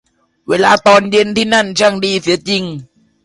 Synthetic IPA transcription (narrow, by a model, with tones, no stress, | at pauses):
weː˧laː˧t̪ɔː˧nje˧nt̪ʰiː˥˩na˥˩nt͡ɕʰa˥˩ŋdiː˧si˨˩˦ɐt͡ɕi˧ŋ